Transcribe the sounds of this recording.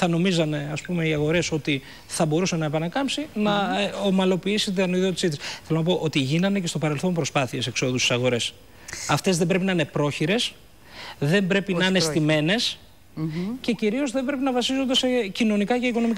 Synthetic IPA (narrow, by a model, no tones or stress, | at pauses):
θɐno̞mizɐne̞ɐspume̞iɐɣo̞ɾe̞so̞t̪i | θɐbo̞ɾusenɐepɐnɐkɐmpsinɐomɐlo̞piisit̪id̪ɐniðio̞t̪isit̪isθe̞lonɐp̬o̞ʔo̞t̪iʝinɐnece̞st̪o̞pɐɾe̞lθo̞mpɾo̞spɐθiese̞kso̞ðusi̥sɐɣo̞ɾe̞s | ɐft̪e̞zðembɾe̞pinɐine̞pɾo̞çiɾe̞s | ðe̞mbɾe̞pinɐnest̪ime̞ne̞s | ce̞ciɾio̞zðe̞mbɾe̞pinɐvɐsizo̞nd̪ese̞cino̞nikɐceiko̞no̞mikɐ